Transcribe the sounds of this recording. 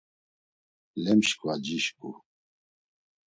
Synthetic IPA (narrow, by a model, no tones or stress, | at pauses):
lɛmʃkʼvad͡ʒiʃkʼu